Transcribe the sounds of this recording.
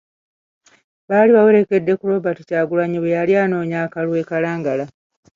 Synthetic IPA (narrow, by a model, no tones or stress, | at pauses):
βaliβawe̞ɾeke̞dːe̞kuɾo̞ːbatucaːɡulaɲiβejaliaːno̞ːɲaːkalwe̞ːkalaːŋɡala